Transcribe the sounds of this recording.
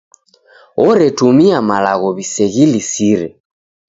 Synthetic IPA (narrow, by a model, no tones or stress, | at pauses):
ɔɾɛtumiamalaɣɔβisɛɣilisiɾɛ̰